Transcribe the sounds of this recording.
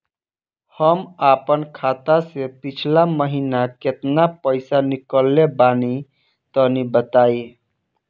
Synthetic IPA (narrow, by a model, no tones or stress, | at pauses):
həmapənkʰat̪asepit͡ʃʰlaməɦinaket̪napəɪsanikəlːebani | t̪ənibət̪ai